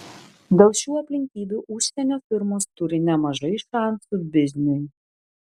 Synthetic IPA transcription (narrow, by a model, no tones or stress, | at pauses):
d̪ʲɛlˠʃʲuːɐpʲlʲɪŋʲkʲiːbʲuːʔʊʃʲsʲɛnʲoːfʲɪɾmoːst̪ʊɾʲɪnʲɛmɐʒɐɪʃɑnsubʲɪzʲnʲɪj